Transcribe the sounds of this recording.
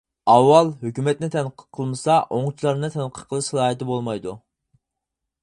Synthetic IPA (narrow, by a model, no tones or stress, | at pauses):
ɑwːɑlˠɦøkʲymɛt̪nɪt̪ʰɛnqʰə̥qʰəlˠmɨsɑʔoŋt͡ʃʰilˠɑɾnɨt̪ʰɛnqʰə̥qʰəlˠɨʃχlˠɑːɦɛt̪ɪbolˠmɑjd̪u